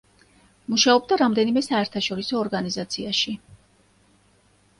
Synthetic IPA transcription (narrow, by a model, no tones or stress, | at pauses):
muʃaɔb̚d̪aɾamd̪ɛnimɛsaɛɾt̪ʰaʃɔɾisɔːɾɡanizat̪sʰiaʃi